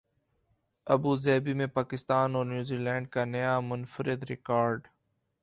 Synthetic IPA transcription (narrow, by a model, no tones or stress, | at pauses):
ɐbuːzɛːbimẽpaːkɪst̪aːnɔːɾnjuːziːlɛ̃ːɳɖ̚kanɐjamʊnfəɾɪd̪ɾɪkaːɾɖ